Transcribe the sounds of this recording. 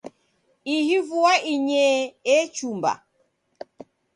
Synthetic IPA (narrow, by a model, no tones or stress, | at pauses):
ihivuaiɲɛɛt͡ʃumba̰